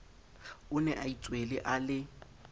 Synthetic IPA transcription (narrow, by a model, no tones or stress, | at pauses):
ʊnɛʔait͡sʼwelɪʔalɪ